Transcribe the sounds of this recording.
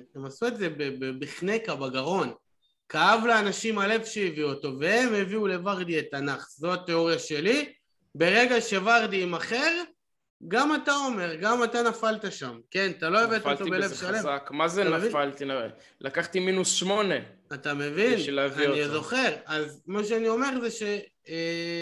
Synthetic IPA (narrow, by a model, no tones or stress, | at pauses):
emasue̞tze̞bebebiχne̞kabaɡaʁo̞n | kaavlaːnaʃimale̞vʃeiviuoto̞ve̞hemhe̞viule̞vaʁd̪ietanaχzo̞ate̞o̞ʁjaʃe̞li | be̞ʁe̞ɡaʃe̞vaʁdiimaχeʁ | ɡamatao̞me̞ʁɡamatanafaltaʃamke̞nat̪alo̞evetotobelevʃalevakmazeaaeinfalt̪inaʁe | lakaχt̪iminusʃmo̞neatame̞vinlvanizo̞χe̞ʁazmaʃeanio̞me̞ʁzeʃe̞